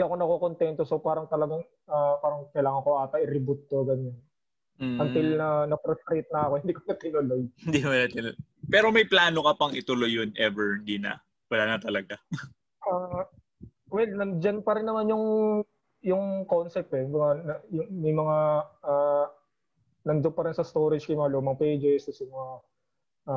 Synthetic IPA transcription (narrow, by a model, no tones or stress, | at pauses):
iɐko̞nɐkokont̪ɛnt̪oso̞paːɾɐŋt̪ɐlɐɡɐŋ | ʔapaːɾɐŋkɐjlaːŋɐnŋkoʔaːt̪ɐʔɪɾɪbʊt̪̚ːoɡɐɲon̩ | ɐnt̪ɪlnɐnɐpɾɛsɾit̪̚nɐɐkoɪnd̪iːkonɐt̪ɪnʊlojhɪnd̪ikmɐnɐt̪ɪnl | pɛːɾomɐjplaːnokɐpɐŋɪt̪ʊlojːonʔɛvɛɹhɪnd̪iːnɐ̰ | wɐlaːnɐt̪ɐlɐɡa | ʔa | wɛlnɐnd͡ʒɐnpɐɾɪnːɐmanjʊŋ | jʊŋkonsɛp̚t̪ɛmɐŋanɐjʊŋmɐjmɐŋaa | nɐŋd͡ʒoŋpɐɾɪnsɐst̪oɾɪd͡ʒkɐjmɐŋaloːmɐŋpejd͡ʒɛsd̪ʊsɐmɐŋa | ʔa